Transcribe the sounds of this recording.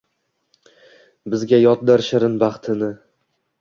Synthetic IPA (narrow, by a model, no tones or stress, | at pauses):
bɪzɡʲajɒt̪̚d̪aɾʃaɾɪnbɑχt̪ʰɪnɪ